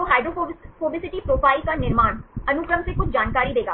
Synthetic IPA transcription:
oɦaːɪɖɾofoːbɪsɪʈipɾoːpaːikanɪɾmaːnɐnʊkɾəmsekʊt͡ʃʰd͡ʒaːnkaːɾid̪eːɡa̰ː

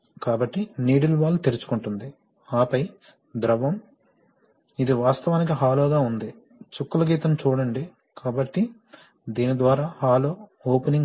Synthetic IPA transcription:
kaːbɐʈːiniːɽuluʋaːlːut̪eɾut͡ʃu̥kuɳʈund̪i | aːpɐj | d̪ɾɐʋɐm | id̪iʋaːst̪ɐʋaːnik̬iɦaːloːɡaːund̪i | t͡ʃukːɐlɐɡiːt̪ɐmt͡ʃuːɽɐɳɖi | kaːbɐʈːi | d̪iːnid̪ʋaːɾaːhaːloːoːpɐniŋ

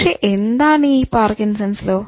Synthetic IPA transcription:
ʂeʔend̪aːnipaːɾkinsɐnsloː

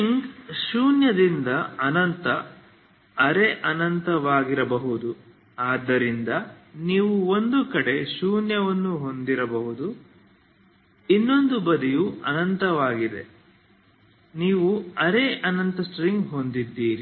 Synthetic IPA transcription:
iŋʃuːnjɐd̪ind̪ɐɐnɐnt̪ɐ | ɐɾeʔɐnɐnt̪ɐʋaːɡiɾɐbɐɦud̪u | aːd̪ːɐɾind̪ɐniːʋuo̞nd̪ukɐɽe̞ʃuːnjɐʋɐnːuɦo̞nd̪iɾɐbɐɦud̪u | inːo̞nd̪ubɐd̪ijuɐnɐnt̪ɐʋaːɡid̪e̞̰ | niːʋuɐɾeʔɐnɐnt̪ɐsʈɾiŋɡɦo̞nd̪id̪ːiːɾi

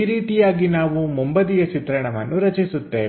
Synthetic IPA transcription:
iɾiːt̪ijaːɡinaːʋumumbɐd̪ijɐt͡ʃit̪ɾɐɳɐʋɐnːuɾɐt͡ʃisut̪ːeː

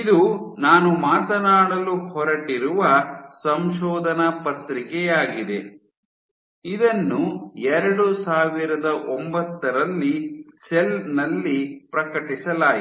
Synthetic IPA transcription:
id̪unaːnumaːt̪ɐnaːɽɐluhɔɾɐʈiɾuʋɐsɐmʃɔːd̪ʱɐnɐpɐt̪ɾikɛjaːɡid̪e | id̪ɐnːuɛɾɐɽusaːʋiɾɐd̪ɐʔombɐt̪ːɐɾɐlːiselnɐlːipɾɐkɐʈisɐlaːj

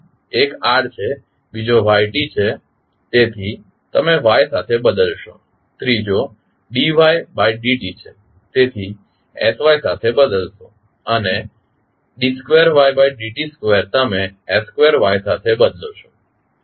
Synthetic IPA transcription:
ekaɖt͡ʃʰe | bid͡ʒoʋajʈit͡ʃʰe | t̪et̪ʰi | t̪əmeʋajsat̪ʰebəd̪əlʃo | t̪ɾid͡ʒo | ɖiʋajbajɖiʈit͡ʃʰe | t̪et̪ʰi | esʋajsat̪ʰebəd̪əlʃo | əne | ɖiskʋeəɾʋajbajɖiʈiskʋeɾt̪əmeeskʋeɾʋajsat̪ʰebəd̪loʃo̥

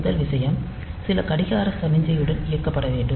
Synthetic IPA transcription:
ðɐlʋɪsɐjɐm | sɪlɐkɐɽɪɣaːɾɐst̪ɐmɪɲd͡ʒɐjɯɽɐnɪjɐrkɐpːɐɽɐʋeːɳɖɯ

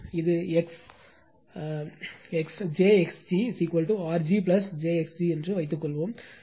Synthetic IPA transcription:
ɪðɯɛks | ɛksd͡ʒeːɛksd͡ʒisiːkʋɐlʈuaːɾd͡ʒip̬lɐsd͡ʒeːɛksd͡ʒiɛndrɯʋɐɪt̪̬ːɯkːɔɭːʋoːm

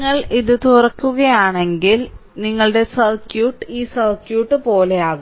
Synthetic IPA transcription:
ŋːɐɭʔiðɨt̪urɐkːuɣɐjaːɳe̞ŋɡilniŋːɐɭɽe̞sɐrkjuːʈːɨiːsɐrkjuːʈːɨpo̞ːle̞jaːɣɨ

